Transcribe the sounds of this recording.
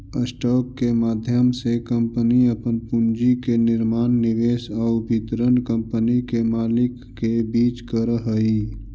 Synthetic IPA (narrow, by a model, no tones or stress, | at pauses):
əsʈɔːkːemaːd̪ʱjəmsekə̃mpəniəpənpʊnd͡ʒikenɪɾmaːnːɪʋeːsabʱɪt̪ɾənkə̃mpənikemaːlɪkːebiːt͡ʃkəɾəɦəiː